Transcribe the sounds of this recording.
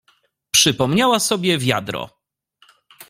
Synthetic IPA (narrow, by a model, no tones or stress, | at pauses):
pʂɘpɔmɲawasɔbʲjɛvʲja̰d̪ɾɔ̰